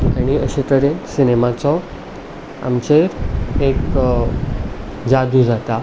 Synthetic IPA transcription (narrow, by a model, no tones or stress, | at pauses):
aɽ̃iəɕit̪əɾensinemat͡sɔ | a̰mt͡ɕeɾek | d͡zad̪ʱud͡zat̪a